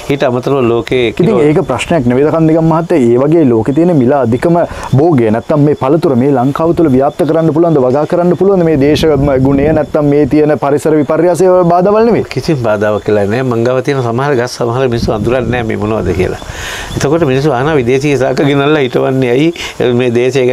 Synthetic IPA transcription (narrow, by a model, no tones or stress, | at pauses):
iʈəamɐt̪ɐɾɐʋɐloːkekit̪iŋŋeːkəpɾɐʃnejakneʋed̪ɐkand̪eɡamːɐɦat̪ːəeːʋaɡeːaloːket̪̬iənːemilaːd̪ʱikəməboːɡejənɛt̪ːamːeːpɐlɐt̪uɾəmeːlɐŋkaːʋɐt̪uləʋijaːp̚t̪ɐkəɾanːɐp̬uluʋand̪əʋaɡaːkəɾanːɐpuluʋand̪əmeːd̪eːʃɐmɡunejənɛt̪ːamːeːt̪ijənəpɐɾisɐɾəʋipɐɾjaːs̬ebaːd̪aːʋɐlneʋekisimbaːd̪aːʋɐkːilanɛːmaŋɡaːʋɐt̪ijənɐsamɐɦɐɾɐɡɐsːɐmɐɦɐɾɐminisːuand̪uɾanːɛːmḛːmunɐʋɐ̰d̪əkijə̰la̰et̪əkoʈəminis̬ːuaɦɐnaːʋid̪eːsiːɦesa̰ːkɐɡinɐlːaɦiʈɐʋanːeaji | meːd̪eːʃɐeɡ